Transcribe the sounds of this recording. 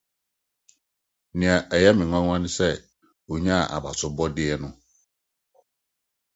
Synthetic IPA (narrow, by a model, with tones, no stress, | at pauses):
nɪ̃˨ã˨ʔɛ˨jɛ˦mɪ̃˨ŋʷã˦ŋã˦nɪ̃˦sɛ˦ | o˨ɲã˦˨ʔa̰˨ba˨sʊ˨bɔ˦dɪ˦ɛ˦nʊ̃˦